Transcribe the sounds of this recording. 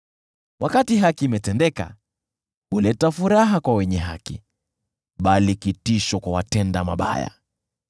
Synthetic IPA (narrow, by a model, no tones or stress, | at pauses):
wakatiɦakiːmɛtɛndɛka̰ | hulɛtafuɾaɦakwawɛɲɛɦakḭ | ɓalikitiʃɔkwawatɛndama̰ɓa̰ja̰